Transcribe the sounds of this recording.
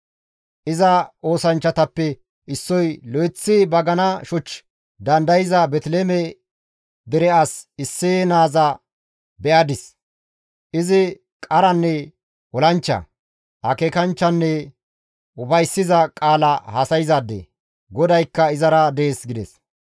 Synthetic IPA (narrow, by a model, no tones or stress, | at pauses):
ʔɪzɐo̞ːsɐnt͡ʃːɐt̪ɐpːɛ | ɪsːɔjlɔjɪt͡sːɪbɐɡɐnɐʃɔt͡ʃː | d̪ɐnd̪ɐjɪzɐbɛt̪leːmɛ | d̪ɛɾɛasɪsːeːnaːzɐ | bɛʔɐd̪ɪs | ʔɪzɪ | kʼɐɾɐnːɛ | wɔlɐnt͡ʃːɐ̰ | hɐkeːkɐnt͡ʃːɐnːɛ | ʊfɐjsːɪzɐkʼaːlɐhɐsɐjɪzad̪ḛ | ɡɔd̪ɐjkːɐɪzɐɾɐd̪eːsɡɪd̪ɛs